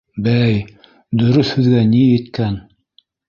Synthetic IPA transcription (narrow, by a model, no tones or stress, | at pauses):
bæj | d̪ɵ̆ɾɵθhɵ̆ðɡænijɘ̆t̪kæn